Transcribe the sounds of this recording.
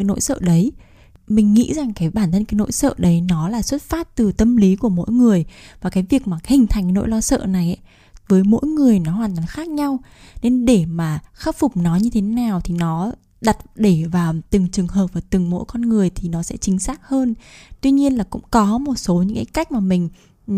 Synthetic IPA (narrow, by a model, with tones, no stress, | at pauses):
no̰˧˥jsə̰ː˧˨ɗə˨˦j | mï˨˩ŋ̟ŋḭ˧˥za˨˩ŋkaː˨˦jɓaː˧˩nt̪ʰə˧nkaː˨˦jno̰˧˥jsə̰ː˧˨ɗə˨˦jnɔ˨˦laː˨˩swə˦˥t̚faː˦˥t̚t̪ɨ˨˩t̪ə˧mli˨˦ku˧˩əmo̰˧˥jŋɨ˨˩əjvaː˨˩kaː˨˦jvi˨˩ək̚maː˨˩hï˨˩ŋ̟t̪ʰa˨˩jŋkno̰˧˥jlɔ˧sə̰ː˧˨na˨˩jʔa̰˨˦ | vəː˨˦jmo̰˧˥jŋɨ˨˩əjnɔ˨˦hwaː˨˩nt̪waː˨˦nxaː˦˥k̚ɲa˧w | ne˧nɗe˧˩maː˨˩xaː˦˥p̚fʊ˨˩k͡p̚nɔ˨˦ɲɨ˧t̪ʰe˨˦naː˨˩wt̪ʰi˨˩nɔ˨˦ | ɗa˨˩t̚ɗe˧˩vaː˨˩wt̪ɨ˨˩ŋt͡ɕɨ˨˩əŋɦəː˨˩p̚vaː˨˩t̪ɨ˨˩ŋmo̰˧˥jkɔ˧nŋɨ˨˩əjt̪ʰi˨˩nɔ˨˦sɛ̰˧˥t͡ɕï˨˦ŋ̟saː˦˥k̚həː˧nt̪wi˧ɲi˧ənlaː˨˩kʊ̰˧˥ŋ͡mkɔ˨˦mo˨˩t̚so˨˦ɲɨ̰˧˥ŋkaː˨˦jka˦˥jk̟̚maː˨˩mï˨˩ŋ̟